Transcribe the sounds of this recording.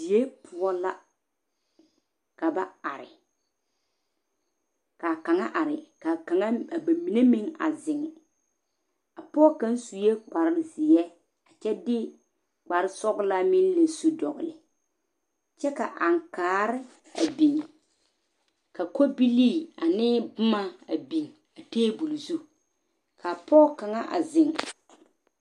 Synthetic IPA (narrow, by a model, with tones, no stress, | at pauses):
zi˨je˦pʰʊ˦ɔ˦la˦ | ka˨ba˦a˨ɾɪ̰˨ | ka˨ka˨ŋa˦ʔa˨ɾɪ˨ka˨ka˨ŋa˦a˨ba˨mi˨˦ne˦mɪ˦ŋa̰˨zɪ˨ŋɪ˨ | a˨pɔ˦ka˦n˦su˨je˦k͡pa˨ɾɪ˦lɪ˦zɪ˨jɛ˦ | a˨t͡ʃɛ˦dɪ˦ | k͡pa˨ɾɪ˦sɔ˦ɡla˦mɪ˦n˦le˨su˦dɔ˨ɣʊ˨lɪ˨ | t͡ʃɛ˦ka˨ʔa˨ŋkaː˨˦ɾɪ˦ | a̰˨bi˨ŋ | ka˨ko˦bi˦liː˦˨a˨nɪː˦bʊ˦ma˦a˨bi˨ŋ | a˨teː˦bu˨lzu˦ | kʰa˨pʰɔː˦ka˨ŋa˦ʔa̰˨zɪ˨ŋ˨